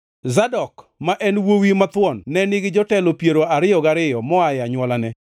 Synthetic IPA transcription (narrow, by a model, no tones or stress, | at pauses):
zadɔk | maʔɛnwowimat̪wɔnːɛnɪɡɪd͡ʒɔtɛlopjeɾoaɾɪjɔɡaɾɪjɔmɔajaɲwɔlanɛ